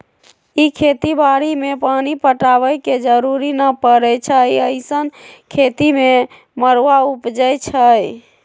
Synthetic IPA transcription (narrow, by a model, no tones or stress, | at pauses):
ikʰet̪ibaɾimepanipəʈaβəjked͡ʒəɾuɾinəpəɾɛt͡ʃʰəjəɪsənkʰet̪ime | məɾʋaupd͡ʒəjt͡ʃʰəj